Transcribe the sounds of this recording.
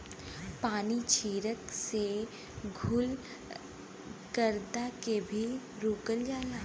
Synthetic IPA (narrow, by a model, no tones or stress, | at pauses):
paːnit͡ʃʰiːɾəkse | ɡʱuːl | kəɾd̪akebʱi | ɾoːkəld͡ʒaːlaː